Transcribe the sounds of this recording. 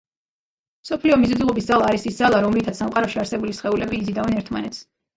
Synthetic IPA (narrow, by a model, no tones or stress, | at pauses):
msɔpʰliɔmizud̪ulˠɔbisd̪zalˠaːɾisisd̪zalˠaɾɔmlit̪ʰat̪samqʼaɾɔʃiaɾsɛbulisχɛulɛbiːd̪zid̪avɛnɛɾt̪ʰma̰nɛt̪s